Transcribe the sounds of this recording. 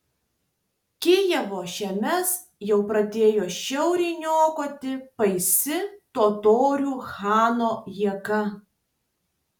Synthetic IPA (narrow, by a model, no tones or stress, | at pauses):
kʲejɛʋoːʃʲɛmʲɛs | jɛʊpɾɐd̪ʲeːjoːʃʲɛʊɾʲɛɪnʲoːkoːt̪ʲɪpɐɪsʲɪt̪oːt̪oːɾʲuːxɑːnoːjiɛkɐ